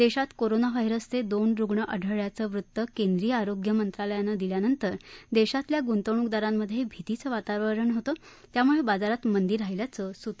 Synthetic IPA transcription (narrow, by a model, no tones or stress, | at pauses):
d̪eɕat̪koɾonaʋajɾəst͡sed̪onɾuɡɳəʔəɖʱəɭjat͡səʋɾut̪ːəkend̪ɾijəaɾoɡjəmənt̪ɾaləjanəd̪iljanənt̪əɾd̪eɕat̪ljaɡunt̪əɳ̃ukd̪aɾamːəd̪ʱːjebʱit̪it͡səʋat̪aʋəɾəɳɦot̪ə | t̪jamuɭebad͡zaɾat̪mənd̪iɾɦailjat͡səsut̪